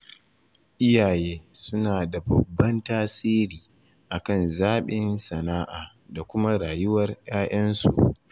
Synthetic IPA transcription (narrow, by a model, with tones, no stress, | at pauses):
ʔɪ˦jaː˨jeː˦sʊ˦naː˨da˨bɐ˨bːɐ˦ntaː˦siː˦ɾiː˨ | ʔa˨kɐ˦˨nzaː˦ɓɪ˦nsɐ˨naː˦ʔaː˨ | da˨kʷʊ˦ma˦ɽaː˨jʊ˦wɐ˦rj̰aː˦ʔɐ˦nsṵ˨ʔ